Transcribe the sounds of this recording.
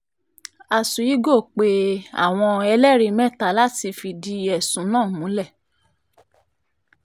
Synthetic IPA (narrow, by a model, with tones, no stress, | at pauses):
a˨sũ˨i˨˦ɡo˦˨k͡pe˧˦a̰˦˨w̃ɔ̃˧ɛ˧lɛ˦ɾi˧mɛ̃˦˨ta˨la˦ti˧fi˧di˧˦ɛ˨sũ˨˦nãː˦˨mũ˨˦lɛ˦˨